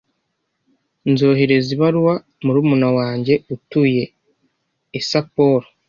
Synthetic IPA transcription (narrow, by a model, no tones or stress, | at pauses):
nzo̞ːɦe̞ɾe̞ziβaɾuwa | muɾuːmunawaːɲɟe̞utuːje̞ː | sapo̞ɾo